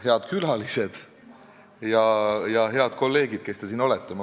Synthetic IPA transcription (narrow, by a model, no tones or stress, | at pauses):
he̞ɑd̪̥kylɑlise̞d̪̥ | jɑjɑɦe̞ɑd̪̥ko̞lːe̞ːɡid̪̥̚ke̞st̪esiːno̞let̪ːˑemɑ